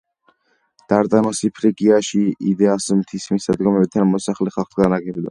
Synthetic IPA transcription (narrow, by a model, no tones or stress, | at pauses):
d̪̥aɾt̪ʼanɔsipʰɾiɡiaʃiid̪ɛasmt̪ʰismisad̪ɡɔmɛb̚t̪ʰanmɔsaχlɛχalˠχɡanaɡɛbd̪a̰